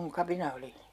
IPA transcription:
kuŋ kɑpinɑ oli

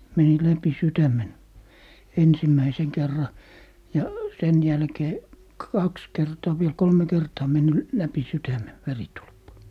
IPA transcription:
meni læpi sytæmen ensimːæiseŋ kerːɑ jɑ sen jælkeː kɑks kertɑː ʋiel kolme kertɑː menːy læpi sytæme ʋeritulpːɑ

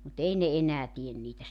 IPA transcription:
mut ei ne enæː tien niːtæ

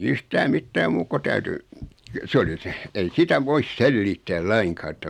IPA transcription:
yhtæː mitːæː muːk ko tæyty sĕ oli seh ei sitæ ʋois selːiːtːæːl lɑiŋkɑː etːæ

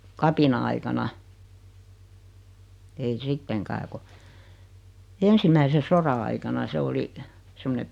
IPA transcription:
kɑpinɑɑikɑnɑ ei sitːeŋkæː ku ensimæise sorɑ ɑikɑnɑ se oli semːone

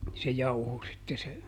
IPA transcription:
se jɑuho sitːe se

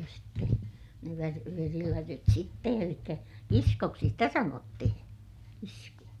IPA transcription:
jɑ sitːe ne ʋær ʋerilætyt sitːe elikːæ kiskoksi sitæ sɑnotːihĩː kiskuɑ

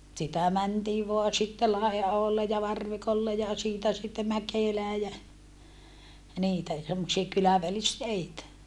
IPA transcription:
sitæ mæntiː ʋoɑ sitːe lɑiɑholːe jɑ ʋɑrʋikolːe jɑ siːtæ sitːe mækeˑlæː jæ niːtæ semːosiɑ kylæʋælisteitæ

